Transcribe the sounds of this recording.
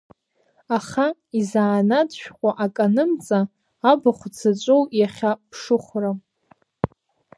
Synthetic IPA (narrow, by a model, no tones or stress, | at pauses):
aχaizaːnadʃᶣqʷʼaʔakʼanɨmt͡sʼaː | baχʷt͡sʰat͡ʃʷʼowjaχʲapʰʂɨχʷra